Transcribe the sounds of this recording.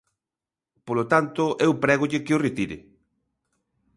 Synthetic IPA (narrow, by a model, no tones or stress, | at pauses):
polot̪ant̪ʊʔɛwpɾɛɣoʎɪkɪoret̪iɾɪ̰